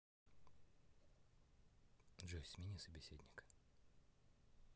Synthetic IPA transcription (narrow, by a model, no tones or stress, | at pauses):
ʐosʲmʲinʲisəbʲɪsʲedʲnʲɪk